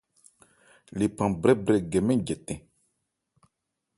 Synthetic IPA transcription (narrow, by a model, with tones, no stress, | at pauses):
li˨pã˨bɾɛ˦bɾɛ˨ɡɛ˨mɛ̃˦ɟɛ˨t̪ɛ̃˨